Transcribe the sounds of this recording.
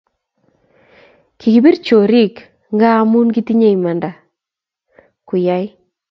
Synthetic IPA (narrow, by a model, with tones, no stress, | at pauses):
kʰi˨ki˨bi˦rt͡ʃo˨ɾi˦k | ŋɡa˦mu˦nki˦ti˦ɲe˦ima˨nda˨ | kʊ˨ja˦j